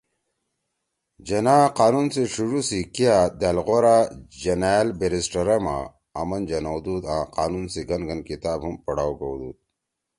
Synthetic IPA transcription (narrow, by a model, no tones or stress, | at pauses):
d͡ʑɐnaːqaːnunseʂuɾusikijad̪alɣoɾad͡ʑɐnalbeɾisʈɐɾɐma̰ː | mɐnd͡ʑɐnawd̪ud̪ãqaːnunsiɡɐnɡɐnkit̪aːbɦumpɐɽaːwɡowd̪uːd̪̚